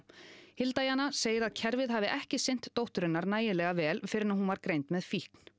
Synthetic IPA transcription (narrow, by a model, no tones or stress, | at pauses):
hɪlt̪ajanaseːjɪɾaðcʰɛɾvɪðɦavɪʔɛhcɪsɪjn̥t̪ːowht̪ʏɾɪnːaɾnaːjɪlɛːɣavɛːlfɪːɾɪɾnaɦunvaɾkɾejnt̪mɛðfihkn̥